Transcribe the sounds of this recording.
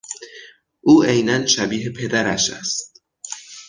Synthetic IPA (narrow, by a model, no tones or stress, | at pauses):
ʔuːʔejnænʃæbiːɦepʰe̞d̪æɾæʃæ̰st̪̚